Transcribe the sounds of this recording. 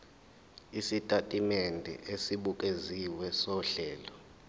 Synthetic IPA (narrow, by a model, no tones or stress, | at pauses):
isitʼatʼimɛndʱɛ̰ʔesiɓuk̬ʼeziwɛsɔɬɛːlɔ